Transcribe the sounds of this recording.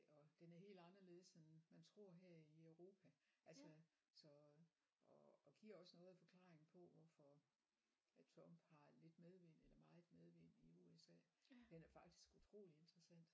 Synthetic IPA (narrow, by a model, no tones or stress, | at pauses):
ɒ̽d̥enæɐɦe̝̰ːld̥ɑ̈nɐle̝ːð̩ˠsenmænt͡sʰʁo̝ɐ̰ɦeɐ̰iœʊʁo̝ːpʰæʔælsə | sɒ̽ | ɒːɡ̥iːɐɒ̽sənɔ̽ːð̩ˠæfɒ̽kʰl̥ɑ̈ːʁeŋn̩pʰɒ̽ʋɒfɒ | t͡sʰʁɒ̽m̰b̥hɑ̈le̝d̥með̞ˠʋen̰̥elɐmɑ̈ːð̩ˠmeð̞̩ˠʋen̰iuesɛ̰ːd̥enæɐfɑ̈ɡ̥d̥i̥sɡ̥ut͡sʰʁo̝̰ːlie̝nd̥ʁɐsæn̰d̥